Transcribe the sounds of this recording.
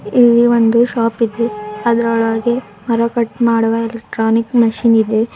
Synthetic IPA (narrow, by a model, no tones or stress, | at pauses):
ilːiʋond̪uʃaːpid̪e̞ɐd̪ɾɐɭɐɾɡe̞ | mɐɾɐkɐʈːmaːɽuʋɐelek̚ʈɾaːnikmɐʃinid̪e̞